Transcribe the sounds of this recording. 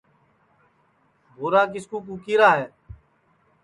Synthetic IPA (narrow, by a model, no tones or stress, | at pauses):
boːɾaːk̬ɪskuːk̬uːkiːɾaːɦɛː